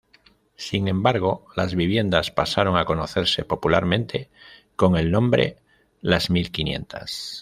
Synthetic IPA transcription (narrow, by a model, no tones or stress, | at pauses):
siŋẽ̞mbaɾɣ̞o̞lazβiβ̞je̞nd̪aspasaɾo̞ŋako̞noθe̞ɾse̞po̞pulaɾmẽ̞nt̪ʰe̞ko̞ŋe̞lnõ̞mbɾe̞̰ | lazmilkinje̞̰nt̪ʰa̰s